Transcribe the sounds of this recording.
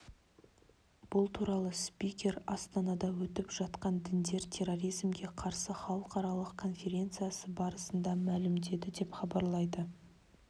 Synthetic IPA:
b̥ʊlˠt̪ʰuɾɑlˠəspʲijkʲe̞ɾɑst̪ɑnɑd̪ɑwɵt̪ɪpʒɑt̪qɑnd̪ɪnd̪e̞ɾt̪ʲʰe̞ro̞ɾijzmɡʲe̞qʰɑɾsəχɑlˠəqɑɾɑlˠəqkʰo̞nfʲe̞ɾʲe̞nt̪sɨjasəbɑɾəsənd̪ɑmælɪmd̪e̞d̪ɪd̪e̞pχɑbɑɾlˠɑjd̪ə

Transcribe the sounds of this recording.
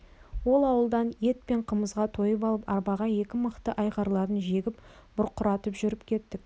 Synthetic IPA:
wo̞lˠɑwəlˠd̪ɑnje̞t̪̚pe̞ɴqʰəməzʁɑt̪ʰo̞jəpɑlˠəpɑ̰ɾbɑʁɑje̞kʲɪməqt̪əʔɑjʁɑɾlˠɑɾənʒe̞ɡʲɪp | b̥ʊɾqʰːʊɾɑt̪əpʒʏɾɪpkʲʰe̞t̪ːɪk̚

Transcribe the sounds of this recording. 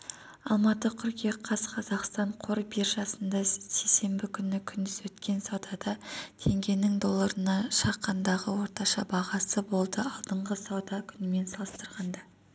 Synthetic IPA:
ɑlˠmɑt̪əkʲʰʏɾkʲeqʰɑsqʰɑzɑqst̪ɑɴqʰoɾbiɾʒɑsənd̪ɑse̞jse̞mbɪkʲʰʏnːɪkʲʰʏnd̪ɪzwɵt̪kʲe̞nsɑwd̪ɑd̪ɑt̪ʰe̞ŋɡʲe̞nɪŋd̪o̞lˠːɑɾənɑʃɑqːɑnd̪ɑʁəwo̞ɾt̪ɑʃɑbɑʁɑsəbo̞lˠd̪əɑlˠd̪əɴʁəsɑwd̪ɑkʲʰʏnɪme̞nsɑlˠəst̪əɾʁɑnd̪ɑ

